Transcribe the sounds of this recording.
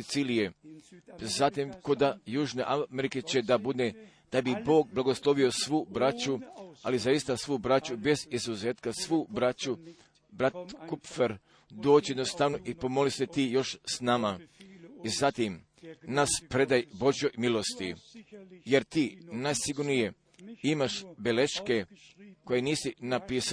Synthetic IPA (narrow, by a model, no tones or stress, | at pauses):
it̪siːlije | zat̪imko̞d̪ajuːʒne̞ʔameɾiket͡ɕe̞d̪abud̪ne | d̪̥abibo̞ːɡ̚blˠaɡo̞slˠo̞ʋio̞sʋuːbɾat͡ʃualizaist̪asʋuːbɾat͡ɕube̞zizuzeːt̪kasʋuːbɾat͡ɕu | bɾat̪kupfeɾ | d̪o̞ːt͡ɕijed̪nost̪aʋno̞ʔipo̞mo̞liset̪iːjo̞ʃsnama | izat̪im | naspɾe̞d̪ajbo̞ʒjojmilˠo̞st̪i | je̞ɾt̪iːnajsiɡuɾnije̞ | imaʃbele̞ʃke̞ko̞jeniːsinapiːs